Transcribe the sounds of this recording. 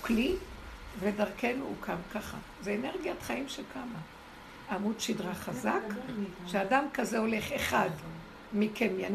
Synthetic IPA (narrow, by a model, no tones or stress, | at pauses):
klivedaʁke̞nukʰamkaχa̰ | zeːneʁɡijat̪χaimʃelkʰama | amudʃidʁaχazakʃeadamkazeo̞le̞χeχad | mikemjan